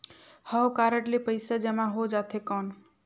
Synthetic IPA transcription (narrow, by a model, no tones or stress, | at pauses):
həwkaɾəɳʈlipəɪsad͡ʒemãɦod͡ʒat̪ʰekɔn